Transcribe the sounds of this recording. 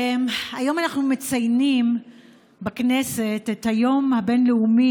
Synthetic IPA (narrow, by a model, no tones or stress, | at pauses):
majo̞manaχnumet͡sajnim | baknese̞tethajo̞mhabe̞nleumi